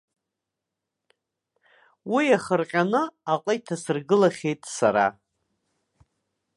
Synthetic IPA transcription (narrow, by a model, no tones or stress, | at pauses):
wiaχərqʲʼanɨaqʼajtʰasɨrɡɨlaχʲe̞jtʼsa̰ɾa̰